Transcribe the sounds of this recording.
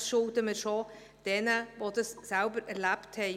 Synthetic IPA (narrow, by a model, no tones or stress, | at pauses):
sʃʊltəməʃo | d̥ɛnəvodəsːælbəɾɛɾlæpthɛ